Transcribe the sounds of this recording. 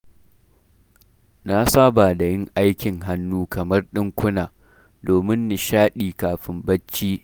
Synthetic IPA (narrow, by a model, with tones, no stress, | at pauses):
na˦saː˦baː˨da˨jɪ˦ŋʔa˦jkʲɪ˨ŋɦa˦nːuː˦kɐ˨mɐ˦rɗɪ˦ŋkʷʊ˦naː˨ | doː˨mɪ˦nːɪ˨ʃaː˦ɗiː˨kaː˨ɸɪ˦mbɐ˦t͡ʃːiː˦